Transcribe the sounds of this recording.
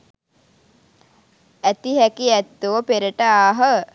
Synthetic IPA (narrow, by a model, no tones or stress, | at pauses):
æt̪iɦækiæt̪ːuʋəpeɾəʈəaːɦə